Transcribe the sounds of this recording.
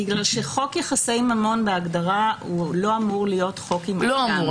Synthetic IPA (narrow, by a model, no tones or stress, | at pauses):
iɡlalʃe̞χo̞kjaχasejmhamo̞nbeaɡdaʁaulo̞amuʁlijo̞tχo̞kimloamu